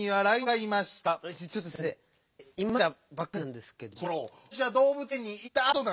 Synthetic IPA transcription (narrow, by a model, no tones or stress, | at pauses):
iβaɾaiɡaimaɕi̥t̪ait͡ɕot̪ːose | imːaabakːanãnd̪esɨ̥ke̞d̪ooo | ɕ̬iβad̪o̞ːbɯ̟t̪ẽɲ̟ːiit̪ːaːt̪o̞nã